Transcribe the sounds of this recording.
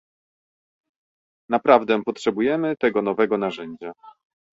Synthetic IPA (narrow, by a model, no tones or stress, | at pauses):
napɾavd̪ɛpɔtʂɛbujɛmɘt̪ɛɡɔnɔvɛɡɔnaʐɛɲd͡ʑa